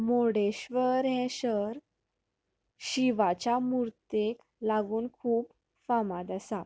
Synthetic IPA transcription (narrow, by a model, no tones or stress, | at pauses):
moɽeɕʋəɾɦɛ̃ɕəɾ | ɕiʋat͡ɕamuɾt̪ek | laɡuːnkʰuːp | famad̪əsat̪